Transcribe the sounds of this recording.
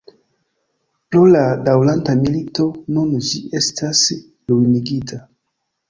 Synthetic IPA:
ploladawlantamilito̞nund͡ʒie̞stʰas | lujniɡitʰa

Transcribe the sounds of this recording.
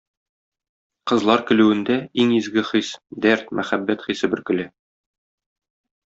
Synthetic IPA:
qɤ̆zlˠɑɾkɘ̆lʉwɘ̆nd̪æiŋizɡɘχisd̪æɾt̪mʔæχæbːæt̪χisɘbɘ̆ɾkɘ̆lɘ

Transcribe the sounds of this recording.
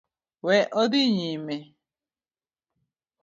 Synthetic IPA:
wɛʔɔdɪɲime

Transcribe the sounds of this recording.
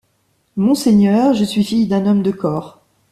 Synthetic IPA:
mɔ̃seɲœʁʒəsɥifijd̪ɛ̃nɔmd̪əkʰɔːʁ

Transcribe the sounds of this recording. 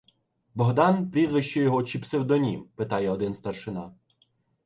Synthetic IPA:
bɔɦd̪ɑnpɾʲizʋɪʃt͡ʃɛjɔɦɔt͡ʃipsɪwd̪ɔnʲḭmpɪt̪ɑjɛɔd̪ɪnst̪ɐrʃɪnɑ

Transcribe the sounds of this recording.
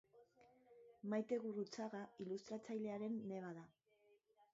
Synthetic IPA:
majt̪e̞ɣurut͡saɣailust̪ɾat͡sajle̞aɾe̞nːe̞β̞aða

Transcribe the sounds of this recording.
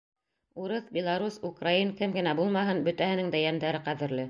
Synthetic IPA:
uɾɤθbʲɪlˠaɾusukrainkɘmɡɘ̆næbulˠmɑɦɤnbɵ̆t̪æhɘ̆nɘŋd̪æjæmd̪æɾɘqæðɘ̆ɾlɘ

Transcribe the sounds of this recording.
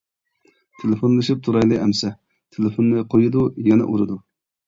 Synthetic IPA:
t̪ʰelɪfonlˠɨʃip̚t̪ʰuɾɑjlˠɨɛmsɛ | t̪ʰelɪfonːɨqʰojud̪ujɛnɛ̰ʔuɾɨd̪u

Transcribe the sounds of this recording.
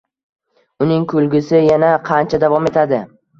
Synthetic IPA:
ʊnɪŋkʰɵlɡʲɪsɪjanaqʰɑnt͡ʃʰad̪avɒme̞t̪ʰad̪ɪ

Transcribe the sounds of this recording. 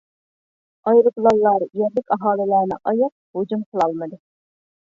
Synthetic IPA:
ɑjɾɨplˠɑlˠːɑɾjɛɾlːɪkʲɑɦɑːlˠɪlæɾnɪ̰ʔɑjɑq̚hud͡ʒumqʰəlˠɑlˠmɨd̪ɨ

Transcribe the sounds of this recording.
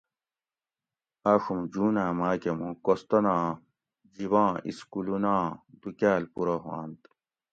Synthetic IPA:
aːʂumd͡ʑuːnaːmaːkemũkost̪ɐnãː | d͡ʑiβãːʔḭskulunãːd̪ukaːlpuɾoɦwã̰ːnt̪

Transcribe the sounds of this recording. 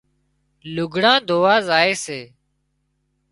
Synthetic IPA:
lʊɡʱɽãːd̪ʱoːʋaːzaːeːseː

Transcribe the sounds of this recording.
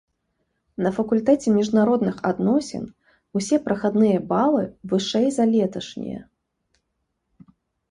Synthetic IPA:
nɐfɐkulʲt̪ɛt͡sʲɛmʲiʐnaɾɔd̪nɨxad̪nɔsʲɛ̰n | usʲɛpɾɐxad̪nɨjɐbalˠɨvɨʂɛjzalʲɛt̪ɐʂnʲḭjɐ̰

